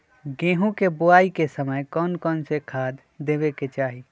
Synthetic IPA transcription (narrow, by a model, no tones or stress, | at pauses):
ɡẽːɦũkebʊaːikesəməjkɔːnkɔːnsekʰaːd̪ | d̪ːeːbeket͡ʃaːɦi